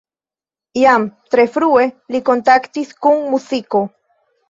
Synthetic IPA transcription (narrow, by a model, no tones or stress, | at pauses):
jamt̪ɾefɾuelikont̪akt̪iskuŋmusiko